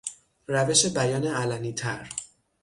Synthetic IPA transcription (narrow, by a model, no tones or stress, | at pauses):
ræve̞ʃebæjɒːneælæniːt̪ʰæɾ